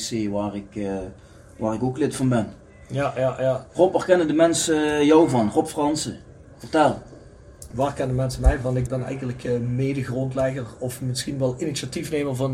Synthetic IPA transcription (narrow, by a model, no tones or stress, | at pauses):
seːʋaːrɪk | ʋaːrɪkoklɪtfɑnbɛn | jajajarɔpʋarkɛnədəmɛnsəjɔwvɑnrɔpfrɑnsə | vərtɛlˠ | ʋaːrkɛnədəmɛnsəmɛjvɑnɪɡ̚bɛnɛ̰jɣəntləkmeːdəɣrɔntlɛɣərɔfməsxinʋɛlˠinisatifneːmərvɑn